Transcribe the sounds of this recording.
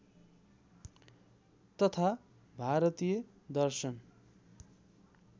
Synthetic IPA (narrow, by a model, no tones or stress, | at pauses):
t̪ʌt̪ʰa | bʱaɾʌt̪ijʌ | d̪ʌrsʌn